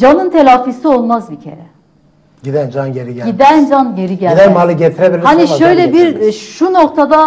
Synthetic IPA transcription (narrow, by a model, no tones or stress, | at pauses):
d͡ʒanɯnt̪ʰelʲaːfisio̞lˠmazbicʰe̞̰ɾɛ | ɟid̪ænd͡ʒanɟeɾiɟæɟid̪ænd͡ʒanɟe̞ɾiɟælʲd̪ænmalˠɯɟet̪ʰiɾebilʲhaniʃø̞jlʲɛbiɾʃuno̞k̚t̪ʰad̪a